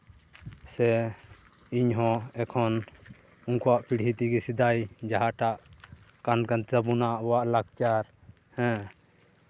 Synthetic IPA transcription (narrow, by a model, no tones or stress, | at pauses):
sɛ | iɲɦɔ̃ɛkʰɔn | uŋkɔwaʔpiɽ̤it̪iɡɛsid̪ajd͡ʒaɦaʈaʔ | kankant͡ʃəbunaʔbɔwaʔlaɡt͡ʃaɾ | hɛ̃